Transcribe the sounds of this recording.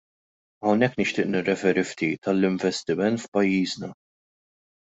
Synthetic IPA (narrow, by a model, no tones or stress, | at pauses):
ɐwnɛkːnɪʃt̪ɪːʔnɪrːɛfɛːɾift̪iːt̪ɐlːɪɱvɛst̪ɪmɛnt̪fpɐjːiːznɐ